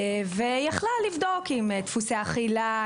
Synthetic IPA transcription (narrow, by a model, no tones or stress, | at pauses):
vejaχlalːivd̪o̞kimt̪fusaaχila